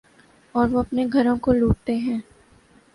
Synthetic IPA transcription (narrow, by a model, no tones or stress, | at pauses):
ɔːɾʋoɐpneɡʱɐɾõkoluːʈ̚t̪eɦɛ̃ː